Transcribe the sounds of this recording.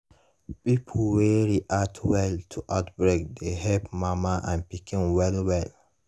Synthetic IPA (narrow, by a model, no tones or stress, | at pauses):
pipʰlwɛɹiʔatʰwɛltʰuʔaʊtbɹek̚deɦɛpmamaʔãnpikĩnwɛlwɛl